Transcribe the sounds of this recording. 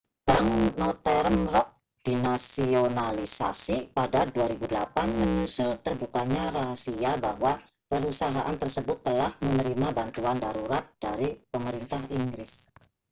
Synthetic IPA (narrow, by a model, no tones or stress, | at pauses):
paŋnɔt̪ɛɾənrɔk̚ | d̥inasionalisa̰sipadaduaɾibudəlapanməɲusʊlt̪ərbukaɲaraɦasiabahwa | pəɾusaɦaʔant̪ərsəbʊt̪ːəlahmənəɾimabant̪uandaɾuɾat̪̚d̥aɾipəməɾint̪aɦiŋɡɾɪs